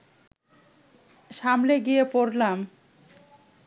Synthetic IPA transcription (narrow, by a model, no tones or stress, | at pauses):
ʃamleɡijepoɾlam